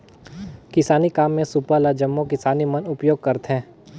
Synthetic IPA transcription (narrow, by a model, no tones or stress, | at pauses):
kɪsaːnikaːmːẽsʊpalad͡ʒɐmːokɪsaːnimɐnʊpjoːɡ̚kɐɾt̪ɦɛ̃ː